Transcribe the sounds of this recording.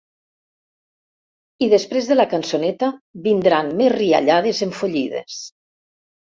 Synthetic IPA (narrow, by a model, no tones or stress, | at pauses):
iðespɾezðəlakansonɛt̪aβind̪ɾanmezria̰ʎaðezeɱfoʎiðḛs